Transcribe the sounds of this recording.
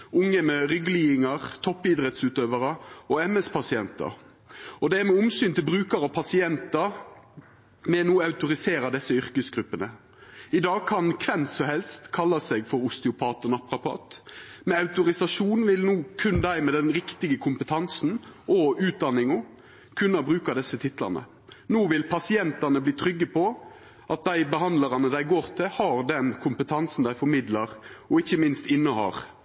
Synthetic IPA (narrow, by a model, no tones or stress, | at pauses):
ʊŋːəmɛʁʏɡliːɪŋɑʁt̪ʰɔpːɪd̪ɾɛt̪sʉːt̪øːʋəɾəɔɛmɛspʰɑsɪɛnt̪ɑ̰ɾ | ɔd̪ɛæʁmɛʊmsyːnt̪ɪlbʁʉːkɑɾɑpʰɑsɪɛnt̪ɑɾ | mɛnuːɑʉt̪ʊɾɪseːɾɑd̪ɛsːəʏʁkəsɡɾʉpːənə | ɪd̪ɑːɡ̚kʰɑnkʰʋɛnt̪sɔhɛlst̪kʰɑlːɑsɛɡfɔɾʊst̪ɪʊpʰɑːt̪ɔnɑpɾɑpʰɑ̰ːt̪mɛɑʉt̪ʊɾɪsɑʂuːnʋɪlnuːkʰʉnd̪æɪmɛd̪ɛnɾɪkt̪ɪɡəkʰʊmpət̪ʰɑnsn̩ʔɔʉːt̪̚d̪ɑnːɪŋʊ | kʰʉnːɑbʁʉːkɑd̪ɛsːət̪ʰɪt̪lɑ̰nə̰ | nuːʋɪlpʰɑsɪɛnt̪ɑnəbliːt̪ʰɾʏɡːəpʰɔ | ʔɑt̪̚d̪æɪbəhɑnd̪lɑʁɑnəd̪æɪɡoːʁt̪ʰɪlhɑːʁd̪ɛnkʰʊmpət̪ʰɑnsn̩d̪æɪfɔɾmɪd̪lɑʁɔɪçːəmɪnst̪ɪnːəhɑ̰ːɾ